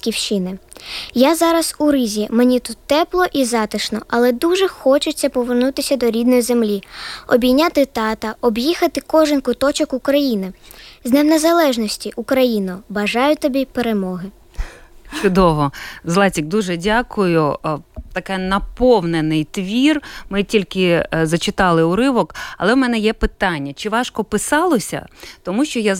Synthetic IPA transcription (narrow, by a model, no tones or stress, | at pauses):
kʲiwʃinɪjazɑɾɐsuɾɪzʲimenʲit̪ut̪ːɛplˠɔʔizɑt̪ɪʃnɔ̰ʔɐlˠɛd̪uʒɛxɔt͡ʃʊt͡sʲːɐpɔʋernut̪ɪsʲɐd̪ɔɾʲid̪nɔjize̞mlʲiɔbʲinʲat̪ɪt̪ɑt̪ɐɔbjixɐt̪ɪkɔʒɪnkʊt̪ɔt͡ʃɔkukɾɐjinɪznewnezɐlˠɛʒnɔsʲtʲiʔukɾɐjinɔbɐʒɑjʊt̪ɔbʲipeɾemɔɦɪ | t͡ʃʊd̪ɔʋɔzlˠɑtʲiɡ̚d̪uʒɛdʲakʊjʊt̪ɐkɛnɐpɔwnenɪjt̪ʋʲirmɪtʲilʲkɪzɐt͡ʃɪt̪ɑlˠɪʊɾɪʋɔkɐlˠɛwmɛnɛjɛpɪt̪ɑnʲːɐt͡ʃɪʋɑʃkɔpɪsɑlˠɔsʲɐ̰t̪ɔmuʃt͡ʃɔja